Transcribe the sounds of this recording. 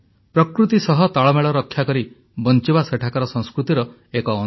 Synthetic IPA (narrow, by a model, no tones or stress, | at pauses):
pɾɔkɾut̪isɔɦɔt̪aɭɔmeɭɔɾɔkʰːjakɔɾi | bɔnt͡ʃibaseʈʰakaɾɔsɔ̃ŋskɾut̪iɾɔ | ekɔː